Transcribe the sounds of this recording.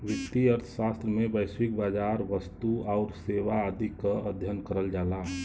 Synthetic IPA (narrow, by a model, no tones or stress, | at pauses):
ʋɪkt̪ːiəɾt̪ʰə̥ʃast̪ɾəmẽbəɪswik̚baːd͡ʒaɾʋəst̪uaʊɾseʋaəd̪ikaəd̪ʱjənkəɾəld͡ʒaːla